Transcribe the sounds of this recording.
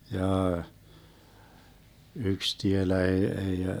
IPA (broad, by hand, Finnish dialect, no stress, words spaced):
jɑː yks tielæ eː ei